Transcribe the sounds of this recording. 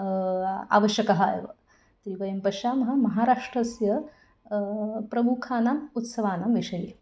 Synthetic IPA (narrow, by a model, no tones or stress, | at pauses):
a̰ʋəɕjɐkɐɦaːjʋɐ̰ | t̪ilʋɐjɐmpɐʃaːmɦɐmɐɦaːɾaːʂʈɾɐsjɐ | pɾɐmukʰaːnamut̪sɐʋaːnamʋiʂɐli